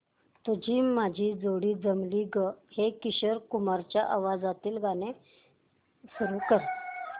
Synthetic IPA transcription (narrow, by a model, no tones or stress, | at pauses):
t̪ud͡ʑʱiːmad͡ʑʱiːd͡zoɽiːd͡zəmliːɡəhekiɕəɾkumaɾt͡ɕjaʔaʋad͡zat̪iːlɡane | suɾuːkəɾ